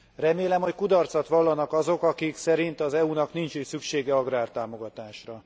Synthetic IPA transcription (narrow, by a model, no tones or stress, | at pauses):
rɛmeːlɛmho̞ckud̪ɒrt̪sɒt̪ʋɒlːɒnɒkɒzo̞kɒkiksɛɾint̪ɒzɛunɒknint͡ʃisykʃeːɡɛɒɡraːrt̪aːmo̞ɡɒt̪aːʃrɒ